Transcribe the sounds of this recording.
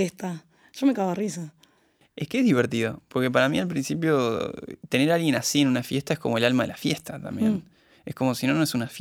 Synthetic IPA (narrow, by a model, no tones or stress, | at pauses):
est̪a | ʒ̥omekaβarisa | ehkeeɦðiβeɾt̪iðo̞po̞ɾke̞p̬aɾamḭalp̬ɾinsip̬jo̰t̪e̞ne̞ɾalɣje̞nasienunafjeht̪aehko̞mo̞elalmaðelʔafjest̪at̪a̰mbjḛn | ehko̞mo̞sinonoesunaf